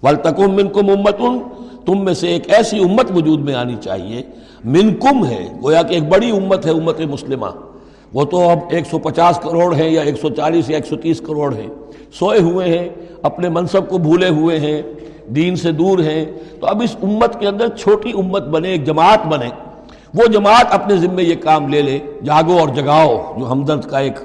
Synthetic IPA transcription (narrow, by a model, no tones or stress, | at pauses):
ʋɐlt̪əkʊmːɪ̃nkʊmʊmːət̪ʊnt̪ʊmːẽseeːkɛːsiʊmːət̪ʋʊd͡ʒuːd̪mẽa̰ːnit͡ʃa̰ːɦḭḛː | mɪ̃nkʊmɦɛ̰ːɡoːjakieːk̚bɐɽiʊmːət̪ɦɛʊmːət̪ẽmʊslɪmã̰ | ʋoːt̪oɐbeːksɔpɐt͡ʃaːskɐɾoːɽɦɛ̃jaeːksɔt͡ʃaːliːsjaeːksɔt̪iːskɐɾoːɽɦɛ̰̃ | soːeɦueɦɛ̃ɐpnemɐ̃nsəb̚kobʱuːleɦueɦɛ̃ | d̪iːnsed̪uːɾɦɛ̃t̪oɐbɪsʊmːət̪keɐ̃nd̪əɾt͡ʃʰoːʈiʊmːət̪̚bɐnẽeːk̚d͡ʒɐmaːt̪bɐnẽː | ʋod͡ʒɐmaːt̪ɐpnezɪmːẽjekaːmleːleːd͡ʒaːɡoɔːɾd͡ʒɐɡaːod͡ʒoːɦɐmd̪əɾd̪kaeːk